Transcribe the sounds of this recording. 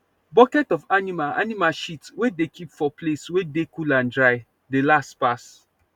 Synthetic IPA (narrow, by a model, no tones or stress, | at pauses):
bɔkɛtɔfanimala̰nimaʃitwedekʰipfɔpʰleswedekʰulãndɹaɪ | delastpas